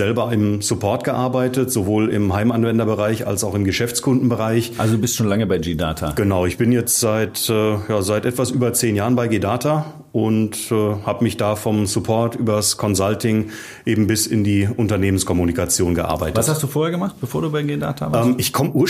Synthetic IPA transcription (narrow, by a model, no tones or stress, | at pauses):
zɛlbɐɪmz̥ʊpʰɔɐtɡ̥əʔaɐbaɪtətz̥ovoːlɪ̰mɦaɪmanvɛndɐbəʁaɪça̰lsaʊxɪmɡəʃɛft͡skʰʊndn̩bəʁaɪçʔalzoduːbɪstʃoːnlaŋəbaɪɡida̰ːtʰa̰ɡ̥ənaʊɪçb̥ɪnjɛt͡stz̥aɪtɛːjaːzaɪtʔɛtv̥asʔyːbɐt͡seːnjaːʁənbaɪɡeːdaːta | ʔʊntː | haːbəmɪçd̥aːfɔmsʊpʰɔɐtʔyːbɐskʰɔnzaltɪŋ | ʔeːbm̩bɪsɪ̰ndiːʔʊntɐneːmənskʰɔmunikat͡sjoːnɡəʔa̰ɐbaɪtvəashastd̥uːfoːɐeɐɡəmaχtb̥əfoːɐduːbaɪɡeda̰ːtʰa̰vaɛːmɪçkʰɔməʔuːɐ